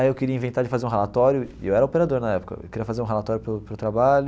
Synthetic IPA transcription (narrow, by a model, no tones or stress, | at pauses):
aiewkeɾiɐĩvẽnt̪aɾd͡ʒɪfazeɾũɦelat̪ɔɾjʊewɛɾɐopeɾad̪oɾnɐɛpʊ̥kɐ̰ḛwkeɾiɐfazeɾũɦelat̪ɔɾjʊpʊpɾʊt̪ɾabaʎʊ